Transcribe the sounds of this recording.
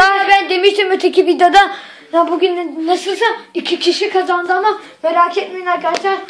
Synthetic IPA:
aabænd̪e̞miʃt̪imøt̪ʰecʰʲivid̪jod̪a | jabuɡʲynnasɯlˠsaicʲʰicʲʰiʃikʰazand̪ɯna | meɾaːkʰet̪mejnʲˠaɾkʰaɾt͡ʃaɾ

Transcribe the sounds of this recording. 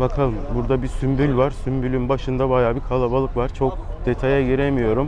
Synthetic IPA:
bakʰalˠɯmbuɾd̪abisymbylʲvaɾsymbylʲynbaʃɯnd̪abajaːbikʰalˠabalˠɯkvaɾ̥t͡ʃʰo̞k̚d̪e̞t̪ʰajaɟiɾemijo̞ɾum

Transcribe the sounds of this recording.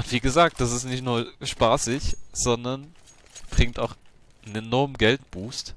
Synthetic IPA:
ʔʊntv̥iːɡəzaːk̚t̚d̥as̬ɪstnɪçtnuːɐʃpaːsɪçz̥ɔndɐn | b̥ʁɪŋktaʊx | nenɔɐmɡɛltb̥uːst

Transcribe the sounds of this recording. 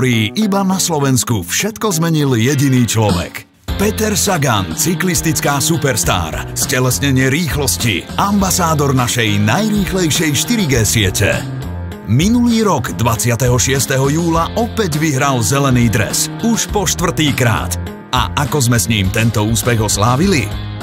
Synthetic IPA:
ɾiːʔibanaslɔʋɛnskufʃɛt̪kɔzmɛɲiljɛɟiniːt͡ʃlɔʋɛ̰k | pɛt̪ɛɾsaɡant͡siklist̪it͡skaːsupɛɾst̪a̰ːɾscɛlɛsɲɛɲɪɛɾiːxlɔscḭambasaːd̪ɔɾnaʃɛjnajɾiːxlɛjʃɪɛjʃt̪iɾiɡɛːsɪɛcɛ̰ | minuliːɾɔɡd̪ʋat͡sɪat̪ɛɦɔʃɪɛst̪ɛɦɔjuːlaʔɔpɛɟʋiɦɾalzɛlɛniːd̪ɾɛ̰suʃpɔʃt̪ʋr̩t̪iːkɾa̰ːt̪ | a̰ʔakɔzmɛsɲiːmt̪ɛnt̪ɔuːspɛɣɦɔslaːʋili

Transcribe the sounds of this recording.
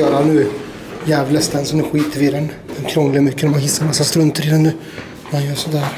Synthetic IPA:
œːɾanʉː | jɛːvlɛst̪ɛnsɔmɛɧiːt̪əviːɾɛn | ɛnkʰɾɔŋːlɪmʏkːənmanhɪsːaɾmasːast̪ɾɵnt̪ʰəɾɪd̪ɛnːʉː | majɔsɔd̪æːɾ

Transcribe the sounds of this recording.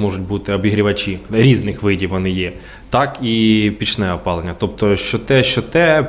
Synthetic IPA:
mɔʒʊtʲbut̪ɪɔbʲiɦɾʲiʋɐt͡ʃʲiɾʲiznɪxʋɪdʲiʋɔnɪjɛ | t̪ɑkipʲit͡ʃnɛɔpɑlˠenʲːɐt̪ɔp̚t̪ɔʃt͡ʃɔt̪ɛʃt͡ʃɔt̪ɛ

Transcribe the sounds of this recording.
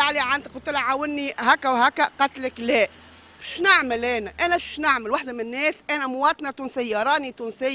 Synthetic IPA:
aʕliʕand̪qʊt̪ːəlʕawənːiɦæːkːæwɦæːkːæqɑt̪ləklæː | bʃnaʕməlæːnæʔæːnæbʃnaʕməlwaħd̪æmɪnːɛːsʔænæmʊwɑːt̪ˤnɑt̪uːnsɪjːɑɾˤɑːnit̪uːnsɪjː

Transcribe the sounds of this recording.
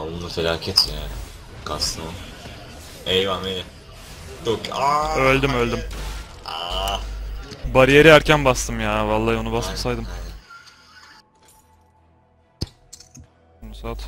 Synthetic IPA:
alˠɯnafelʲaːcʰet̪ʰjaːnɪ | kʰasɯna | ejvamejɛ | d̪okaølʲd̪ymølʲd̪ym | a | baɾijeɾiæɾcʰænbast̪ʰɯmjaːvalˠːaːo̞nubasmasajd̪ɯm | nusaːt̪

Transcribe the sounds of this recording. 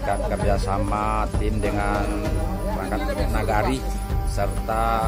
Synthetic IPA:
kat̪̚kəbiasamat̪ɪmdəŋanɾaŋkat̪̚bɛʔnaɡaɾi | sərt̪a

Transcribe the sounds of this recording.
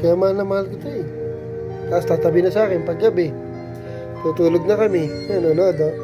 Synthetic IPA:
kɐjamɐhalnɐŋmɐhalkɪt̪oɛ | t̪aʔst̪aːt̪ɐbɪnɐsaːkɛnpɐɡːɐbɛ | t̪uːt̪uːloɡ̚nɐkɐmɪnononoːd̪oʔ

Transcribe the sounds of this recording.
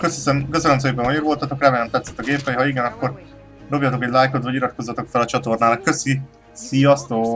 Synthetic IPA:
køsisɛmkøzøløms̬eːpɛmɒjoɡvo̞lt̪ɒt̪o̞krɛmɛlɛmt̪ɛt̪sɛ̥t̪ːɒɡeːpɛjɦɒiɡɛnɒkːo̞r | d̪o̞bjat̪o̞kɛɟʲlaːjkot̪vɒɟiɾɒt̪̚ko̞zːɒt̪o̞kfɛlɒt͡ʃɒt̪o̞rnaːnɒkːø̞si | sijɒst̪oː

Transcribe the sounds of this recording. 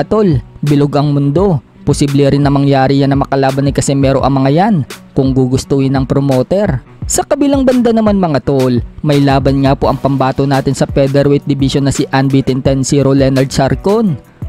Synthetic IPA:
ɐt̪olbɪloɡʔɐŋmʊnd̪o̞ | posiblɛɾɪnːɐmɐŋjaːɾɪjanɐmɐkɐlaːbɐnɪkɐsɛmɛːɾo̞̰ʔɐ̰ŋmɐŋajankʊŋɡuɡʊst̪uhɪnɐŋpɾomoːt̪ɛɾ | sɐkɐbilaŋbɐnd̪anɐmanmɐŋɐt̪olmɐjlaːbɐnŋapo̞ʔɐŋpɐmbaːt̪onaːt̪ɪnsɐpɛd̪ɛɾwɛjt̪̚d̪ɪbiʃonːɐsiʔanbit̪ɛnt̪ɛnsiɾolɛnɐld̪̚saɾkon

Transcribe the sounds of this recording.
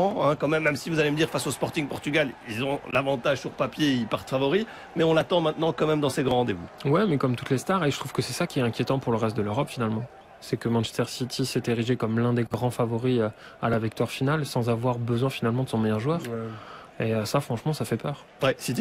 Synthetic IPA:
ɑ̃ɛ̃kɑ̃mɛmːɛmsivuzaleməd̪iʁfasospɔʁt̪ĩŋpɔʁt̪yɡʲalilzɔ̃lavɑ̃t̪aʒsyʁpapjeilpaʁt̪favɔʁi | mɛɔ̃lat̪ɑ̃mɛ̃t̪nɑ̃kɑ̃mɛmd̪ɑ̃seɡʁɑ̃ʁɑ̃d̪evṵwɛmɛkɔmt̪ut̪lest̪aʁeʒət̪χuv̥kəsɛsakʲiɛt̪ɛ̃kʲjet̪ɑ̃puʁləʁɛst̪̚d̪əløʁɔpfinalmɑ̃ | sɛkəmɑ̃nʃɛ̥st̪ɛʁsit̪ʰisɛt̪eʁiʒekɔmlɛ̃d̪eɡʁɑ̃favɔʁiø | alavik̚t̪waʁfinalsɑ̃zavwaʁbəzwɛ̃finalmɑ̃d̪əsɔ̃mɛjœʁʒwœːʁ | eøsafχɑ̃ʃmɑ̃safɛpœːʁ | ɛsit̪i

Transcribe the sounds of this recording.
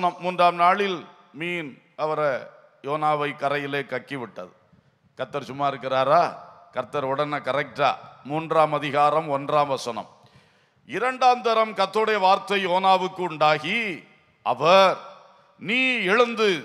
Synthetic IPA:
nɐmːuːndraːmnaːɭɪl | miːn | ʔɐʋɐɾɐ | joːnaːʋɐɪkɐɾɐjɪleːkɐkːiʋɪʈːɐðɯ | kɐɾt̪ːɐɾsʊmːaːɪɾɯkːɪɾaːɾaːkɐɾt̪ːɐɾɔɽɐnɐkɐɾɐk̚ʈa̰ːmuːndraːmɐðɪɣaːɾɐmɔndraːmʋɐsɐnɐ̰m | ɪɾɐɳɖaːmd̪ɐɾɐmkɐt̪ːɐɾɯɽɐjɐʋaːɾt̪ɐɪoːnaːʋɯkːɯʊɳɖaːɣi | ʔɐʋɐɾ | niːɛɻɯnd̪ɯ

